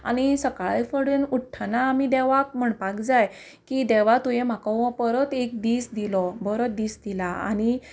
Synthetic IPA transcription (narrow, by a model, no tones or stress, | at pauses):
a̰ñisəkaɭjfəɽənuʈʰːanaːmid̪ɛʋak̚m̤əɳpakd͡zaj | kid̪ɛʋ̤at̪ujẽm̤akəwəpəɾət̪ek̚d̪isd̪ilɔbəɾət̪̚d̪iːsd̪ilaa̰ñi